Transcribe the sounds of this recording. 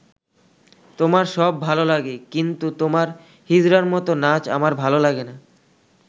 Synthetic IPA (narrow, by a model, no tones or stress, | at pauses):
t̪omaɾʃɔbːʱalolaɡekint̪ut̪omaɾ | hid͡ʑɾaɾmɔt̪onat͡ɕa̰maɾbʱalolaɡena